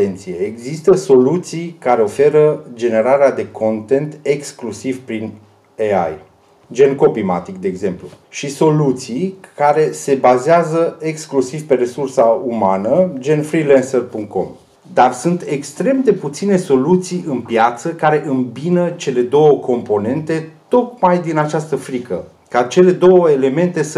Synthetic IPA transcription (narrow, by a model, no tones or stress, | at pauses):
ent̪sijeeɡzist̪əso̞lut̪sijkaɾe̞o̞fe̞ɾəd͡ʒe̞ne̞ɾaɾead̪e̞kʰo̞nt̪e̞nt̪e̞ksklusivpɾin | ea̰j | d͡ʒe̞nko̞pima̰t̪ikd̪e̞ːɡze̞mpluʃiso̞lut̪sijkaɾe̞se̞bazeazəe̞ksklusivpe̞re̞sursaumanəd͡ʒe̞nfɾilensərpuŋkt̪̚ko̞̰m | d̪arsunt̪e̞kst̪ɾe̞md̪e̞put̪sine̞so̞lut̪sijɨnpjat̪səkaɾe̞ʔɨmbinət͡ʃe̞le̞d̪o̞wəkʰo̞mpo̞ne̞nt̪e̞t̪o̞t̪̚majd̪inat͡ʃast̪əfɾikə | kat͡ʃe̞le̞d̪o̞wəele̞me̞nt̪e̞s